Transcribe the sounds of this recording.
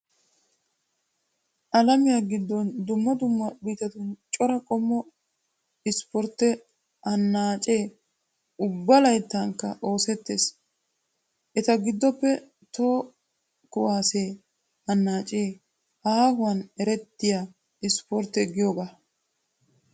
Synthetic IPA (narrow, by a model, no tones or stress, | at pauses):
ʔɐlɐmɪjaɡɪd̪ːɔnd̪ʊmːɐd̪ʊmːɐbiːt̪ɐt̪ʊnt͡ʃʼɔɾɐkʼɔmːɔ | ɪspɔɾt̪ːɛ | ɐnːaːt͡ʃʼeː | ʊbːɐlɐjt̪ːɐŋkːɐ̰ʔo̞ːsɛt̪ːḛːs | ʔɛt̪ɐɡɪd̪ːɔpːɛ | t̪o̞ː | kʊwaːseː | ɐnːaːt͡ʃʼeː | ahʊwɐnɛɾɛt̪ːɪja | ɪspɔɾt̪ːɛɡːɪjoːɡaː